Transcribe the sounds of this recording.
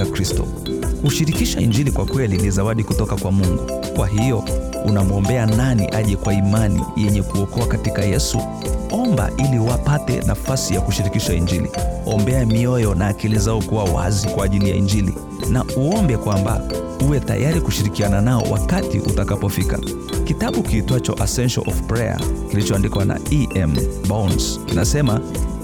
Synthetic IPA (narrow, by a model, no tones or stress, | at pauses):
kɾistɔ̰ | uʃiɾikiʃaḭɲd͡ʒilikwakwɛlinizawaɗikutɔkakwamuŋɡu | kwaɦijɔ | unamɔmbɛananḭʔaʄɛkwaimanḭjɛɲɛkuɔkɔakatikajɛsu | ɔmba̰ʔiliwapatɛ̰na̰fasijakuʃiɾikiʃaiɲd͡ʒilḭɔmbɛamiɔjɔnaːkilizaɔkuwawa̰zikwaːʄilija̰ḭɲd͡ʒilḭ | nauɔmbɛkwamba̰ | uwɛta̰jaɾikuʃiɾikiananaɔ̰wa̰katḭʔṵtakapɔfika̰ | kitaɓukiːtɔat͡ʃɔ̰ʔasɛnʃalʔɔfpɾɛa̰kilit͡ʃɔandikwana̰iʔɛmbanskinasɛma